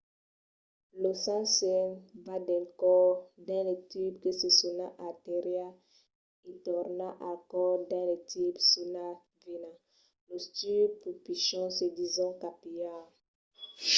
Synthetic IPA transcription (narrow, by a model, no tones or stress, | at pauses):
losãsɛnvadɛkɔdãletipkesesɔnãʔateʁja | etɔʁnãʔãkɔʁdãlet̪ibsuna | venã | lost̪ypupiʃɔ̃sedizɔ̃kapija